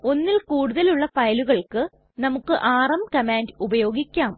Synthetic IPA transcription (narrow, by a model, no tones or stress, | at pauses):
o̞nːilkuːɽuðɐluɭːɐfɐjɐluɣɐɭkɨ | nɐmukːɨʔaːrɐmkɐmaːndubɐjo̞ːɡikʲːaːm